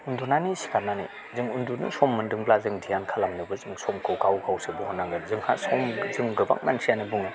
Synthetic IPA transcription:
undunanisi̥kʰananḭ | zɯŋundunɯ̰sɔmːɯndɯŋblazɯŋdʰijankʰalamnɯbɯzɯŋsɔmkʰɯwkʰawkʰawsebɔhɔnːaŋɡɯzɯŋha̰sɔmzɯŋɡɯba̰k̚mansʰianibuŋɯ

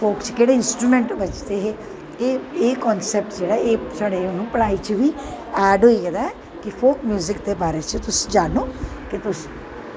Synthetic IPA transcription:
pʰoːkt͡ʃkeːɽeːɪnsʈɾuːmẽɳʈbət͡ʃt̪eːɦeː | eeːkɔːnsɛːp̚ʈd͡ʒeːɽaːeːsaːɽeːonũːpəɽaːit͡ʃʋiː | ɛːɖɦoːikɛːd̪a | kɪpʰoːkmjuːzɪkd̪eːbaːɾet͡ʃət̪ʊsd͡ʒaːnõːkɪt̪ʊs

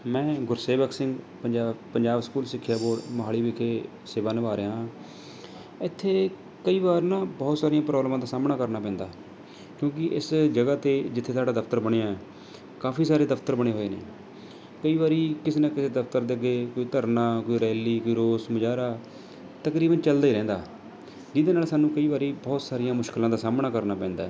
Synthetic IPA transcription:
mɛ̃ːɡʊɾseːbəkʰsɪ̃ŋɡ | pəd͡ʒaːpəɲd͡ʒaːbskuːlsɪkʰːjaːboːɽmɦaːliːbɪkʰeː | seːʋaːnəʋaːɾeːɦãː | ɪt̪ʰːeː | kəiːbaːɾnãːbɔːt̪saːɾijãːpɾɔːblmãːd̪aːsaːmnaːkəɾnaːpɛ̃ːnd̪aː | kjõːk̬ɪʔɪsd͡ʒəɡaːt̪eːd͡ʒɪt̪ʰːeːt̪ʰaːɖaːd̪əpʰt̪əɾbəɽ̃eːãːɛ | kaːfʰiːsaːɾeːd̪əpʰt̪əɾbəɽ̃eːɦoːeːnḛː | kəiːbaːɾiːkɪseːnaːkɪseːd̪əpʰt̪əɾd̪eːəɡːeːkoːiːt̪əɾnãːkoːiːɾɛːliːkoːiːɾoːsməd͡ʒaːɾaː | t̪əkɾiːbənt͡ʃəld̪aːiːɾɛ̃ːnd̪a̰ː | d͡ʒɪd̪eːnaːlsaːnũːkəiːbaːɾiːbɔːt̪saːɾɪjãːmʊʃklãːd̪aːsaːmnaːkəɾnaːpɛ̃ːnd̪a̰ːɛ

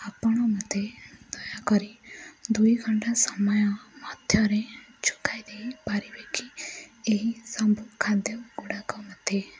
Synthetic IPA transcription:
apɔɽ̃ɔmɔd̪ʱed̪̥ɔjakɔɾid̪ujɡʱɔɳʈasɔmɔjɔmɔd̪ʱjɔɾet͡ʃʰu̥kʰajd̪ejpaɾibekʰieɦisɔmbukʰad̪jɔɡuɽakɔmɔd̪ʱje

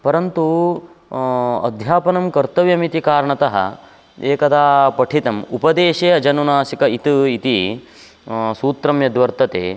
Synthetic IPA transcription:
pɐɾɐnt̪u | ɐ̰d̪ʱjaːpɐnɐmkɐɾt̪ɐʋjɐmit̪ikaːɾɐɳɐt̪ɐɦɐ̰ | eːkɐd̪aːpɐʈʰit̪ɐmupɐd̪eːʃeːɐd͡ʒɐnunaːsikɐit̪uit̪i | suːt̪ɾɐmjɐd̪ʋɐɾt̪ɐt̪ḛː

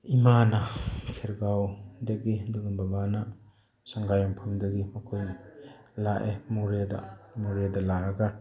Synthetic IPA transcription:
imanakʰeɾɡawdɐɡiduɡɯnbabana | saŋɡajampʰamdɐɡimɐkʰoj | laʔemuɾeda̰muɾedalaaɡa

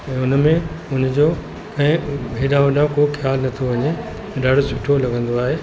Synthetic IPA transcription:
ɛ̃ːʊnmẽʊnd͡ʑoː | kɐ̃ɦɪ̃bʱeːɗãːʊ̃ɗãkoxjaːlnɐt̪ʰoʋɐɲe | ɗɐɽ̤sʰʊʈʰolɐɡʱə̃nd̪oaːɦeː

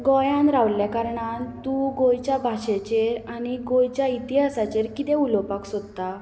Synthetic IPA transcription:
ɡɔjãnɾaʋljakaɾɳant̪uɡojt͡ɕjabʱaɕet͡ɕeɾaniɡojt͡ɕjait̪iɦasat͡ɕeɾkit̪ɛ̃ulɔpaksod̪t̪a

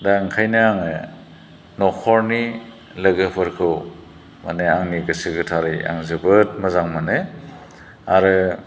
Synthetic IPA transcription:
daŋkʰajnɯaŋɯ | nɔkʰɔɾni | lɐɡɯpʰɯɾkʰɯw | ma̰neaŋniɡɯsɯɡɯtʰaɾɯja̰ŋzɯbɯt̚mazaŋmane | aɾɯ

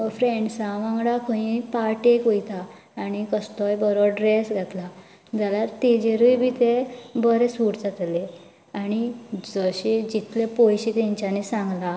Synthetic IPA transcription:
fɾẽɳɖsãʋãŋɡɽakʰə̃ĩpaʈekojt̪aː | ñikəst̪ɔjbəɾɔɖɾesɡʱat̪la | d͡zaljaɾt̪ed͡ʑeɾujbʱit̪ebəɾesuʈd͡zat̪le | añid͡zəɕed͡ʑit̪lepojɕit̪ãɲt͡ɕanesãŋɡla

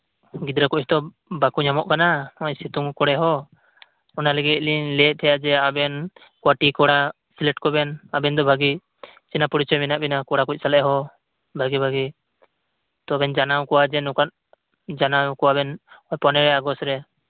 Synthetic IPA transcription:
ɡid̪ɾakuʔ̚t̪ɔ | bakuɲamɔʔkanaɔʔsit̪uŋkɔɽɛɦɔ | ɔnaləɡit̪̚liɲlɛt̪̚t̪ʰɛjad͡ʒɛabɛn | kwaʈikɔɽa | silɛʈkɔbɛnabɛnd̪ɔbʱaɡi | t͡ʃɛnapɔɽit͡ʃɔjminaʔbɛnakɔɽakuc̚ˀsalɛʔɦɔ | bʱaɡibʱaɡi | t̪ɔabɛnd͡ʒanawkɔwad͡ʒɛnukat̪̚ | d͡ʒanawkɔabɛnɔjpɔnɛɾɛaɡɔsɾɛ

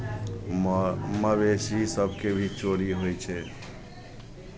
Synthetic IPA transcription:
məbesisəbʱkebʱit͡ʃoɾiɦojt͡ʃʰɛ

